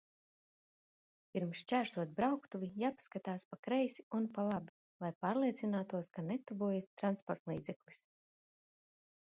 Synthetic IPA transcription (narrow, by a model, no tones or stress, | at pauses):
pʲiɾmsʃt͡ʃæːʃt̪uɔt̪̚bɾawkt̪uvijaːpskat̪aːspakɾɛjsiunpalˠaːbi | lˠajpaːɾlˠiɛt̪sinaːt̪uɔskanɛt̪uvuɔjest̪ɾanspɔɾt̪lˠḭːd̪zɛklˠis